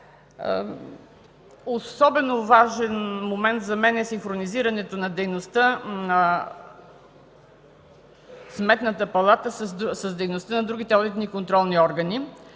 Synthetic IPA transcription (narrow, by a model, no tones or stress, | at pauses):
osɔbɛnovaʒɛnmomɛnt̪zɐmɛnɛsiŋxɾoniziɾɐnɛt̪onɐd̪ɛjnost̪ənɐ | smɛt̪nət̪əpɐlˠat̪əssəsd̪ɛjnost̪ənɐd̪ɾuɡʲit̪ɛɔd̪it̪nikont̪ɾɔlˠniɔɾɡəni